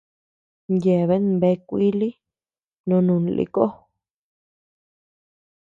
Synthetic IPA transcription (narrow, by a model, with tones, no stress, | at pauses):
nje˨βe˦nbe˧kʷi˦li˦ | nõ˧nũ˧˨n˧lʔḭ˧ko˦